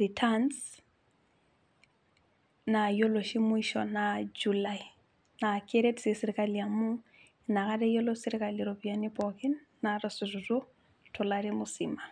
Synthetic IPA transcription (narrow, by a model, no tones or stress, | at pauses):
ritʰans | najoloʃimʊiʃɔ̰nad͡ʒulai | nakeɾetsisiɾikaliamu | nakaɾɛjɔlosiɾikaliɾobianibɔkinːarɔsuzutu | tʰɔlaɾimʊsima